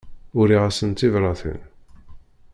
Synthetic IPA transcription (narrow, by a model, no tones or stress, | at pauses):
ʊɾiʁasənt̪ːivɾˤɑθə̰n